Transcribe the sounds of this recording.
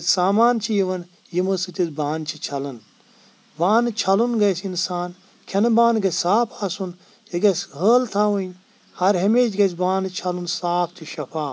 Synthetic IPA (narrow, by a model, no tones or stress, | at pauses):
t͡sʲsaːmaːnt͡ʃʰijiʋɐn | jimɨsɨt̪ʲizbaːnt͡ʃʰit͡ʃʰɐlɐn | baːnɨt͡ʃʰɐlunɡɐsinsaːn | kʲʰɐnɨbaːnɡɐsaːpʰasun | iɡɐsʲɦəːlt̪ʰaːʋunʲ | hɐɾɦemeːt͡ʃɡɐt͡sbaːnɨt͡ʃʰɐlunsaːp̚ʰt̪ʰiʃɐpʰaː